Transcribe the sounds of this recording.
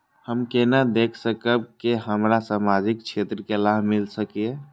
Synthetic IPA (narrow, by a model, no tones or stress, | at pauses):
həmkenad̪ekʰsəkəb̚keɦəmɾasamad͡ʒikt͡ʃʰet̪ɾəkelaɦmilsəkie